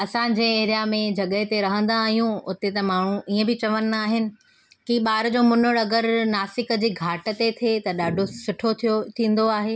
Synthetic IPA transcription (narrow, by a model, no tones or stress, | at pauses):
ɐsãd͡ʑeːeːɾijamẽd͡ʑɐɠəɦt̪eɾɐɦə̃nd̪aːɦijũʊt̪et̪ɐmaːɳ̤ũʔiːə̃bɪt͡ɕɐʋənɪ̆aːɦɪnɪ̆ | kiɓaːɾd͡ʑomʊnʊɽɐɡəɾnaːsɪkə̆d͡ʑiːɡʱaːʈə̆t̪et̪ʰet̪ɐɗaːɖʱosʊʈʰot̪ʰot̪ʰĩːn̆d̪oaːɦeː